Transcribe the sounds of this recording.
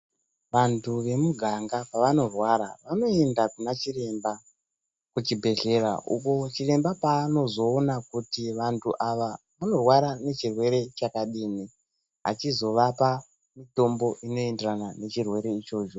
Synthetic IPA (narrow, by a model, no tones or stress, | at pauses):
ʋantʰuʋe̞muɡʱaŋɡapaʋano̞rwaɾaʋano̞e̞ndakunat͡ʃire̞mba | kut͡ʃibʱe̞ɮe̞ɾa̰ʔuko̞t͡ʃire̞mbapaːno̞zo̞ːnakutiʋantʰuʔaʋa | ʋano̞rwaɾane̞t͡ʃirwe̞ɾe̞t͡ʃakaɗiːni | ɦa̰t͡ʃizo̞ʋapa | mito̞mbo̞ʔino̞e̞nderanane̞t͡ʃirwe̞ɾe̞it͡ʃo̞ːt͡ʃo